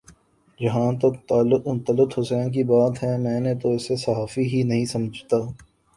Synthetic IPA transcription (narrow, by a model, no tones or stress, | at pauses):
d͡ʒɐɦãt̪ot̪aːlnt̪əlɪt̪ɦʊsɛːnk̬ibaːt̪ɦɛ̃mɛ̃ːnet̪oɪsesɐɦaːfiɦinɐɦĩsɐməd͡ʒʱt̪aː